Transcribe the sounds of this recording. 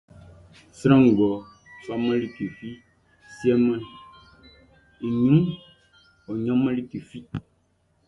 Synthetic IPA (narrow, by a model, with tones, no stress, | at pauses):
sɾã˦ŋ̩˨ɡɔ˨ | sa˦mɛ̃˦li˦ki˨fi˦ | si˦ɛ˦mɛ̃˦ | i˨ɲũ˦ŋ | o˨ɲɔ̃˦mɛ̃˦li˦ki˨fi˦